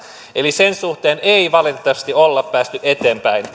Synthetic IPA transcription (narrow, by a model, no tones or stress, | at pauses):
elisensuht̪eːneiʋɑlit̪et̪ːɑʋɑst̪iolːɑpːæːst̪yʔet̪eːmpæin